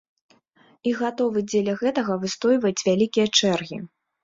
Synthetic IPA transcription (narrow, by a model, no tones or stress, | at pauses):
iɣat̪ɔvɨd͡zʲɛlʲɐɣɛt̪ɐɣɐvɨst̪ɔjvɐjt͡sʲvʲalʲikʲijɐt͡ʂɛrɣʲḭ